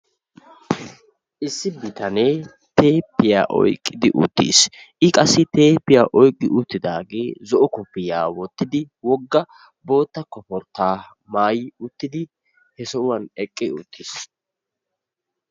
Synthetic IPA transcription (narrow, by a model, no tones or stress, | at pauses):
ʔɪsːɪbɪt̪ɐneː | t̪ʰe̞ːpːɪja̰ːʔɔ̰jkʼːɪd̪ɪʔʊ̰t̪ːḭːsʔɪkʼɐsːɪt̪e̞ːpːɪjaːʔɔjkʼːɪʔʊt̪ːɪd̪aːɡeːzɔʔɔkɔpːɪjaːwɔt̪ːɪd̪ɪ | wɔɡːɐ | bo̞ːt̪ːɐkːɔfɔɾt̪ːaː | maːjɪʊt̪ːɪd̪ɪ | hɛsɔʊwɐnɛkʼːɪʊ̰t̪ʰːis